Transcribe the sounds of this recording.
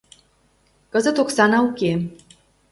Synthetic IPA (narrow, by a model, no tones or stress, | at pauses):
kəzə̆t̪oksɑnɑuke